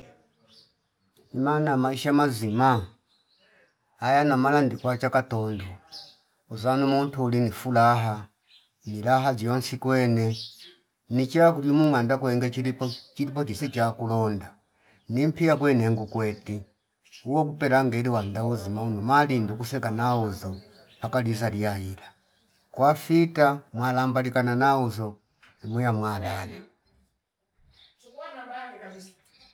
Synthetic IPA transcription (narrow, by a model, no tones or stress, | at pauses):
imanamaiʃamazima | ajanamalandikwat͡ʃakatɔndɔ | uzanumuntuːlinifulaɦa | nilaɦad͡ʒjɔnsikwɛnɛ | nit͡ʃakuliumuŋandakwɛŋɡɛt͡ʃilipɔt͡ʃisit͡ʃakulɔnda | nim̩piakwɛnɛŋɡukwɛti | uwɔkupɛɾaŋɡɛliwandauzimaunɔmalindukusɛkanauzɔ | pakalizaliaila | kwafitamwalambalikananauzɔ | imujamwalala